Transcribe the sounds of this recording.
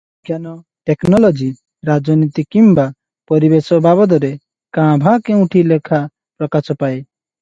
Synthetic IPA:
ɡjanɔ | ʈɛknɔlɔd͡ʒi | ɾad͡ʒɔnit̪ikimba | pɔɾibesɔbabɔd̪ɔɾɛ | kãːbʱãkɛ̃ũʈʰilekʰa | pɾɔkasɔpae

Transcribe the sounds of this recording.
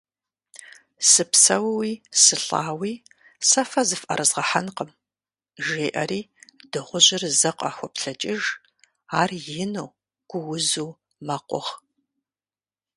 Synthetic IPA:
sɨpsɐwwiːsɨɬa̰ːwiː | sɐfɐzɨfʔɐ̰ɾʔɨzʁɐħanqəm | ʒeːʔɐ̰ɾiːdɨʁʷʊʑɪrzɐqʷʼɑ̰ːxʷɔpɬɐt͡ʃʼɪʒ | aːrjɪnɐw | ɡ̥ʷʊwʊzuw | mɐqʷʼɔ̰ʁ

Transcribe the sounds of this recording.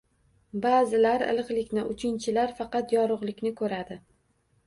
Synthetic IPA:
baːzɪlaɾɪ̰lˠɨqlˠɪkʲnɪʔʊt͡ʃʰɪnt͡ʃʰɪlaɾfɑqɑt̪jɒɾʊʁlˠɪkʲnɪkʰɵɾad̪ɪ

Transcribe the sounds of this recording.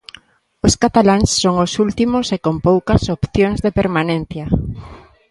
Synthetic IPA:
oskat̪alaŋsːoŋosult̪imosekompowkɐsopθjoŋzðepeɾmanẽn̟θja

